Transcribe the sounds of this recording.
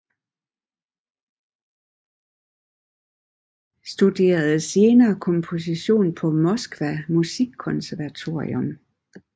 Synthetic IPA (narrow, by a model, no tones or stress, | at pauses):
sd̥ud̥e̝̰ːɐð̩ˠse̝ːnɐːkʰɒ̽mpʰo̝s̬iɕo̝̰ːnpʰɒ̽mɒ̽sɡ̥ʋæmusiɡ̥kʰːɔ̽nsæɐʋæt͡sʰo̝ɐ̰ḭɔm